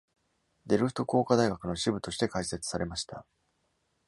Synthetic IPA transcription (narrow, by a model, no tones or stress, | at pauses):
d̪e̞ɾɯ̟ɸɯ̥t̪o̞ko̞ːkad̪aiɡakɯ̟no̞ɕibɯ̟t̪o̞ɕi̥t̪e̞kaise̞t͡sɨ̥saɾe̞maɕi̥t̪a̰